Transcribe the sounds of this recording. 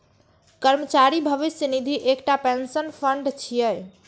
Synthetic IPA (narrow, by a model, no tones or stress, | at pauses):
kəɾmət͡ʃaɾibʱəʋisənid̪ʱiʔekʈapẽnsənpʰəɳɖt͡ʃʰijəj